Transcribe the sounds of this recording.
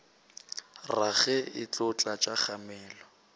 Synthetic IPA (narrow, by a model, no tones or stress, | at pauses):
raɣɛɪt͡ɬʊt͡ɬʼat͡ʃʼaχamɛːlɔ